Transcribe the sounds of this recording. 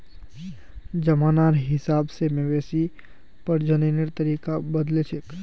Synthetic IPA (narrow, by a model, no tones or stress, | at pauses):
d͡ʒəmanaɾɦɪsabsemewesi | pəɾd͡ʒəneneɾt̪əɾikabəd̪let͡ʃʰek